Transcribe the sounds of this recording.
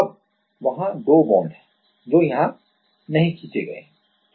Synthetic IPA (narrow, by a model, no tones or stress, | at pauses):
ɐb̚ | ʋɐɦãd̪oːbɔ̃ːnɖɛ̥̃ | d͡ʒoːjɐɦã | nɐɦĩkiːt͡ʃeɡɐḛɦɛ̃